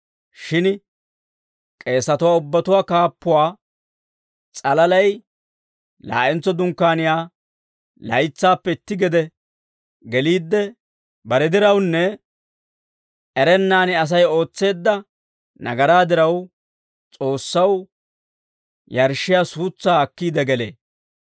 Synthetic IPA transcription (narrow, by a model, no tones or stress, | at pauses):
ʃɪn | kʼe̞ːsːɐt̪ʊwaːʊbːɐt̪ʊwaːkaːpːʊwaː | t͡sʼɐlɐlɐj | la̰ːʔɛnt͡sːɔd̪ʊŋkːaːnɪjaː | lɐ̰jt͡sːaːpːɛɪt̪ːɪɡɛd̪ɛ | ɡɛliːd̪ːɛ | bɐɾɛd̪ɪɾɐwnːɛ | ɛɾɛnːaːnɪɐs̬ɐjo̞ːt͡sːe̞ːd̪ːɐ | nɐ̰ɡɐɾaːd̪ɪɾɐw | t͡sʼo̞ːsːɐw | jɐɾʃɪjaːsuːt͡sːaːɐkːiːd̪ɛɡɛlḛː